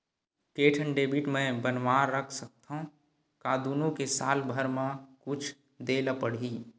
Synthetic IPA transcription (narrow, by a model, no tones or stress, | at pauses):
keːʈʰənɖeːbiʈmẽbənʋaːɾːəkʰsək̚t̪ʰã | kaːd̪uːnõkesaːlbʱəɾmãkʊt͡ʃʰ | d̪eːləpəɽ̤iː